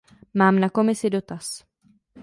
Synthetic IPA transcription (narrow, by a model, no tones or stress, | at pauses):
maːmnako̞mɪsɪdo̞t̪as